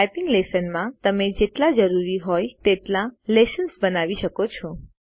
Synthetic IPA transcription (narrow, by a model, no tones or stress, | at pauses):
ajpɪŋɡlesənmãt̪əmed͡ʒeʈlad͡ʒəɾuɾiɦɔjt̪eʈlãlesənsbənaʋiʃəkot͡ʃʰɔ